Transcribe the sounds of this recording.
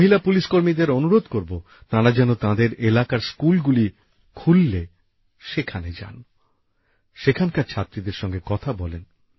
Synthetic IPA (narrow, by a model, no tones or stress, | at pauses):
moɦilapuliʃkoɾmid̪eɾonuɾod̪koɾbo | t̪aɾad͡ʑɛnot̪ãd̪eɾelakaɾskulɡuli | kʰulːe | ʃekʰaned͡ʑa̰n | ʃekʰankaɾt͡ɕʰat̪ːɾid̪eɾʃɔŋɡekɔt̪ʰabɔlen